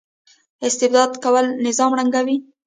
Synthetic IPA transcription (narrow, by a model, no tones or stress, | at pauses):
ɪst̪ɪbd̪ɑd̪kawəlnɪzɑmɽaŋɡawi